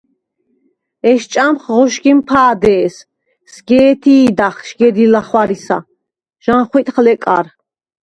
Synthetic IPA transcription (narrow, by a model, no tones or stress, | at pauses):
ɛʃt͡ʃʼamχʁɔʃɡimpʰaːd̪ɛːs | sɡɛːt̪ʰiːd̪aχʃɡɛd̪ilaχwaɾisa̰ | ʒ̥anχwit̪ʼχlɛkʼa̰ɾ